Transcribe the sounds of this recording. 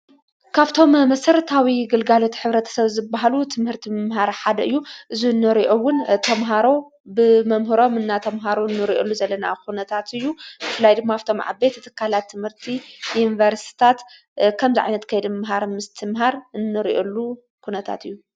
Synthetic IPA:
kʰaβt̪ʰo̞mmɐsɐɾɐt̪ʰawiɡɨlɡalo̞t̪ʰħɨβɾɐt̪ʰɐ̥sɐβzɨbːaɦalut̪ʰɨmhɨɾt̪ʰimɨmɦaɾħad̪ɐʔɨjːuʔɨzuɨnːɨɾiʔowʊnt̪ʰɐmɦaɾo̞ | bɨmɐmɦɨɾo̞mɨnːat̪ʰɐmɦaɾonːɨɾiʔolːuzɐlːɐna̰xunɐt̪ʰat̪ɨjːuzɨfɨlajd̪ɨmːaaft̪ʰomʕa̰be̞t̪ʰːt̪ʰɨ̥kʰːalat̪ʰːɨmhɨɾt̪ʰijunivɐɾst̪ʰi̥t̪ʰat̪ | kʰɐmziʕa̰jnɐt̪kʰɐjɛd̪mɨmɦaɾmɨst̪ʰɨmɦaɾɨnːɨɾḭʔolːu | kunɐt̪ʰa̰t̪ɨjːu

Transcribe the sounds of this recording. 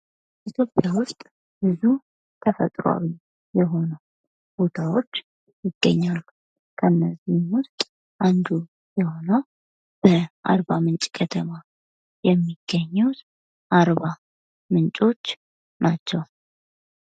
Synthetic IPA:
ʔit̪ʰjo̞pʼjawʊst̪ʼ | bɨzu | t̪ʰəfə̰t̪ʼɾoa̰wi | jɛɦo̞nəw | b̥o̞t̪ʰawo̞t͡ʃː | jɪɡ̥ːəɲːalːu | kʰənːəzːihmwʊst̪ʼ | ʔand̪u | jɛho̞nəw | b̥əʔa̰ɾβamɨnt͡ʃʼkʰət̪ʰəma | jɛmːiɡ̥ːəɲːɛwt̪ | ʔaɾβa | mɨnt͡ʃʼo̞t͡ʃː | nat͡ʃːɛw

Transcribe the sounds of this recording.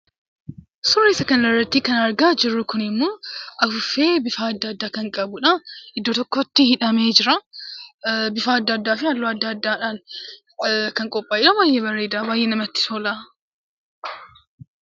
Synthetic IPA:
sʊrːiːsɐkɐnlɐrːɐt̪ːiːkɐnɐɾɡaːd͡ʒɪrːʊkʊnɪmːoːʔɐfʊfe̞ːbɪfaːɐd̪ːɐɐd̪ːaːkɐŋkʼɐbʊᶑɐɪd̪ːoːt̪ɔkːot̪ːɪhɪᶑɐme̞ːd͡ʒɪɾɐ | bɪfaːɐd̪ːɐːd̪ːaːfɪalːoɐd̪ːɐːd̪ːaːᶑaːn | kɐŋkʼɔpʼːaːɪᶑɐbaːjʔeːbɐrːe̞ːd̪aːbaːjʔeːnɐmɐt̪ːɪ̥t̪oːla

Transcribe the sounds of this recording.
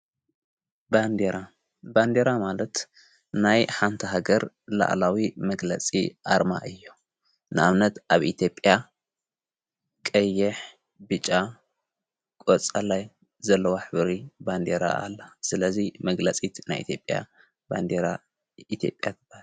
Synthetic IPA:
band̪eɾa | band̪eɾamalɐt̪ | najħant̪ʰɐɦaɡɐɾ | la̰ʔlawimɐɡlɐt͡sʼḭʔa̰ɾma̰ʔɨjːo | nɨaβnɐt̪ʔaβʔit̪ʰjo̞pʼja | kʼɐjːɛħ | bɨt͡ʃʼːa | kʼot͡sʼalaj | zɐlːɐwoħɨβɾiband̪eɾa̰a̰lːɐsɨlɐzimɐɡlɐt͡sʼit̪najʔḭt̪ʰjopʼja̰ | ba̰nd̪eɾa | it̪ʰjo̞̰pʼjat̪ʰɨb̥aal

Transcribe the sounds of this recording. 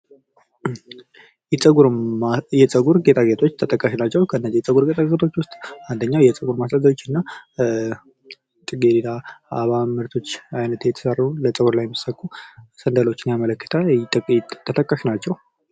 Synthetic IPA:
jɛt͡sʼəɡuɾjɛt͡sʼəɡuɾɡet̪ʼaɡet̪ʰo̞t͡ʃːt̪ʰət̪ʼəkʼːaʃnat͡ʃːɛwkʰəɨnːəzijɛt͡sʼəɡuɾɡet̪ʰʼaɡet̪ʰo̞t͡ʃːwʊst̪ʼand̪əɲːawjɛt͡sʼəɡuɾmasazaot͡ʃːɨnːa | t̪ʼɨɡelilaaβamɨɾt̪ʰo̞t͡ʃːajnət̪jɛt̪ʰə̥sərulət͡sʼəɡuɾlajːɛmːɨsəkʼːusənd̪əlo̞t͡ʃːɪnjamələkːɨt̪ʰə | t̪ʰːət̪ʰʼəkʼːaʃnat͡ʃːɛw

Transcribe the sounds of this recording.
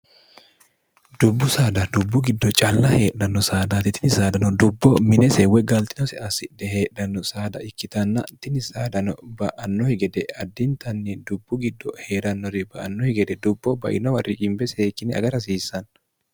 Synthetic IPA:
d̪̥ʊbːʊsaːd̪ɐd̪ʊbːʊɡɪd̪ːɔt͡ʃʼɐlːɐhe̞ːᶑːɐnːɔsaːd̪at̪ɪt̪ɪnɪsaːd̪ɐnɔd̪ʊbːɔmɪnɛsɛwɛɡɐlt̪ɪnɔsɛɐsɪdɛɦe̞ːᶑːɐnːɔsaːd̪ɐ̰ɪkːɪt̪ɐnːɐ̰t̪ɪnɪsaːd̪ɐnɔbɐʔɐnːɔhɪɡɛd̪ɛɐd̪ːɪnt̪ɐnːɛd̪ʊbːʊɡɪd̪ːɔhe̞ːɾɐnːɔɾɪbɐʔɐnːɔhɪɡɛd̪ɛd̪ʊbːɔbɐ̰ʔɪnɔwɐrːɪkʼɪmbɛseːkːɪnɛɐ̰ɡɐɾɐsiːsːɐn

